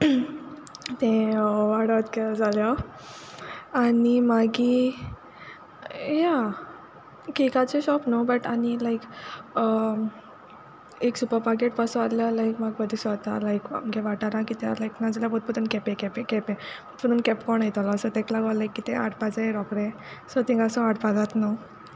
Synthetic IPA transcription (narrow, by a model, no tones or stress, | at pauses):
t̪ẽʋaɽət̪kead͡zaljɔ | animaɡi | ja | kikat͡seɕɔpnobəʈanilajkə | eksupəɾpaɾkeʈ̚pasualjalaikmaɡ̚bəd̪ʱisʋat̪alajkməɡeʋaʈaɾakit̪jalajknad͡zljapot̪pət̪unkɛpẽkɛpekɛpẽpət̪pəd̪unkɛpkɔɳajt̪ɔlaəsət̪eklaɡəʋlajkːit̪ea̰ʈpad͡zaeɾɔkɾẽ | sɔt̪ĩŋɡaəsəaʈpad͡zat̪no